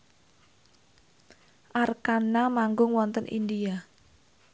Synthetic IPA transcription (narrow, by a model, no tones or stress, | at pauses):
ʔarkanamaŋɡʊŋwɔnt̪ənʔḭndia